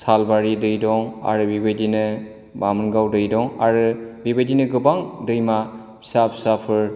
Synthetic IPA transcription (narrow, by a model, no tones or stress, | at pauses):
salbaɾidɯjdɔŋa̰ɾɯbibejdinɯ | bamɯnɡawdɯjdɔŋaɾɯbibadinɯɡɯbaŋdɯjma | sapʰsapʰɯɾ